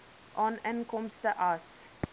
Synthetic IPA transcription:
ʔɑːnənkɔmstəʔɐs

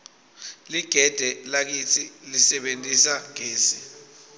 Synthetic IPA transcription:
liɡ̥ʱɛd̥ʱɛlak̬itʰilisɛɓentʼisaŋeːsi

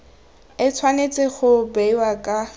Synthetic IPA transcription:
ɪt͡sʰwanet͡sʼɪχʊbeiwakʼa

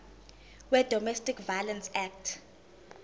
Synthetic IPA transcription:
wɛd̥ʱɔmɛstikvalɛnsɛk̚tʰ

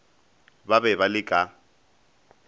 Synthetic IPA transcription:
babɛbalɪkʼa

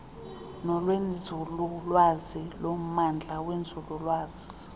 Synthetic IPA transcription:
nɔlwend͡zʱululwazilom̩mand͡ɮʱawend͡zʱululwaːz̥i

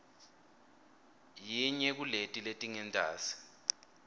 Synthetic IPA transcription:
jiɲɛk̬uletʼiletʼiŋɛntʼa̰ːsi̥

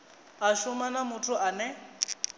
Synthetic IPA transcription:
aʃʊmanamʊtʰʊʔanɛ

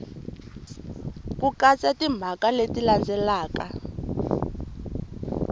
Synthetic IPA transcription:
kukat͡sʼatim̤ʱakaletiland͡zʱɛlaːka

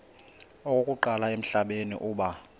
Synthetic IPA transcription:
okʼokʼuǃalaem̩ɬaɓenḭʔuːɓa

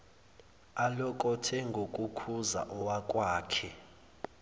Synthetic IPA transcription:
alɔk̬ʼɔtʰɛŋɡʱokʼukʰuza̰ʔɔwakʼwaːkʰɛ

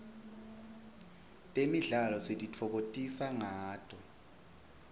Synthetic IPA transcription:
tʼemiɮalɔsetʼitʰɔk̬otʼisaŋaːd̥ʰʱʼɔ

